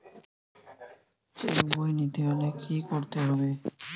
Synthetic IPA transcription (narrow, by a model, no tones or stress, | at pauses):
keɾubojnid̪ejonekʰikoɾt̪eɦɔbe